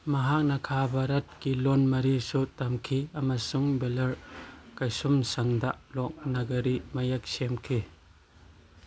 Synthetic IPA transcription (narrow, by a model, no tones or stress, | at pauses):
mɐɦak̚nɐkʰabɐɾɐt̚kilonmɐɾisutɐmkʰiɐmɐsuŋbelɐɾkɐjsumsɐŋdaʔlɔk̚nɐɡɐɾimɐjɐk̚semkʰi